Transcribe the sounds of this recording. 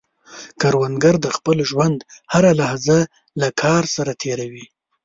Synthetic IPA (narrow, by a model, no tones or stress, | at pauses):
kaɾwand̪ɡaɾd̪əxpəlʒwand̪haɾalahza | lakʰɑɾsaɾat̪ʰeɾawi